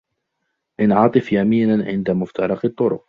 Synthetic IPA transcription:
ʔɪnʕɑt̪ˤɨfjamiːnaʕɪ̰nd̪amʊft̪ʰɑɾˤɑqɑt̪ˤːʊɾʊq

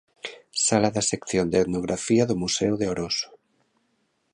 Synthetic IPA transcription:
salaðasekθjond̪eeðnoɣ̞ɾafiaðomusewðeoɾoso̥

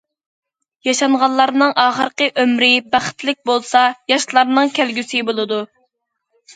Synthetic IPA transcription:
jɑʃɑɴʁɑlˠːɑɾnɨŋɑːχəɾqəʔømɾɪbæχə̥t̪lɪk̚ʲbolˠsɑjɑʃlˠɑɾnɨŋkʲʰælɡʲysɪbolˠɨd̪u

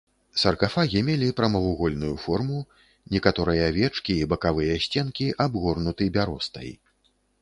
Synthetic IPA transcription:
sɐrkafaɣʲimʲelʲipɾɐmɐvuɣɔlʲnujufɔrmu | nʲɛkat̪ɔɾɨjɐvʲɛt͡ʂkʲiːbɐkavɨjɐsʲt͡sʲɛnkʲiʔabɣɔrnut̪ɨbʲaɾɔst̪ɐ̰j

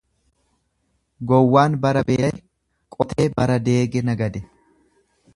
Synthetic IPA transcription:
ɡɔwːaːnbɐɾɐbe̞ːj | kʼɔt̪eːbɐɾɐd̪e̞ːɡɛnɐɡɐd̪ɛ

